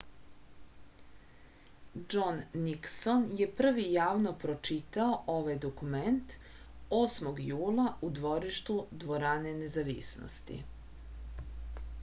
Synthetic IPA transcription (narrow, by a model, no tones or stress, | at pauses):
d͡ʒonːikso̞nje̞pr̩ʋijaːʋnopɾo̞t͡ʃit̪aoʔoʋajd̪okument̪ | osmo̞ɡjuːlˠaud̪ʋo̞ɾiʃt̪ud̪ʋo̞ɾane̞ne̞zaʋisno̰st̪ḭ